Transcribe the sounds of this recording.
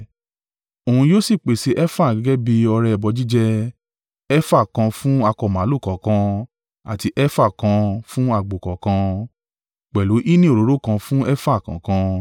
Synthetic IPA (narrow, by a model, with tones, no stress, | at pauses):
o˨ũ˧joː˦si˦˨k͡pe˨si˨˦ʔɛ˦fa˦˨ɡɛ˨˦ɡɛ˦bi˧ɔ˧ɾɛ˧˨bɔ˨˧d͡ʒi˦d͡ʒɛ˦ | ɛ˦fa˦˨kã˧fũ˦a˧kɔ˧˨mã˨˦lu˦˨kɔ˨kã˧ | a̰˨ti˧ʔɛ˦fa˦˨kã˧fũ˦a˦˨ɡ͡bo˨kɔ˨kã˧ | k͡pɛ˨lu˨˦ʔi˦nĩ˦o˨ɾo˨˦ɾo˦˨kã˧fũ˦ɛ˦fa˦˨kã̰˨˦kã˧